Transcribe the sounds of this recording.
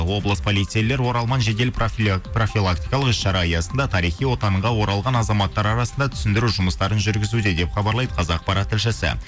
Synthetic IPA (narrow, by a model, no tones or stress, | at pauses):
wo̞blˠəspʰo̞lˠijt̪sijele̞ɾwo̞ɾɑlˠmɑnʒe̞d̪e̞lpro̞fʲilˠak̚t̪ijkɑlˠəqʏsʃɑɾɑjɑsənd̪ɑt̪ʰɑɾijχijwo̞t̪ɑɴʁɑwo̞ɾɑlˠʁɑnɑzɑmɑt̪ːɑɾɑɾɑsənd̪ɑt̪ʰʏ̥sɪnd̪ɪɾuʒʊməst̪ɑɾənʒʏɾɡʲɪzud̪e̞d̪e̞pχɑbɑɾlˠɑjd̪əqʰɑzɑq̚pɑɾɑt̪ʰːɪlʃ̬ɪsɪ̰